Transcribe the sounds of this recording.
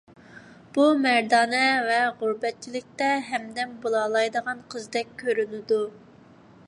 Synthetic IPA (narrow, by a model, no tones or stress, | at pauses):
b̥umɛɾd̪ɑːnɛvɛʁuɾbɛt̪̚t͡ʃʰilɪk̚ʲt̪ɛɦɛmd̪ɛnbolˠɑlˠɑjd̪əʁɑnqʰəzd̪ɛkʲʰːøɾynɪd̪u